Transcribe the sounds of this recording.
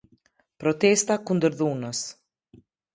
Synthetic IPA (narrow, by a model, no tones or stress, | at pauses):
pɾɔt̪ɛst̪akund̪əɾðunəs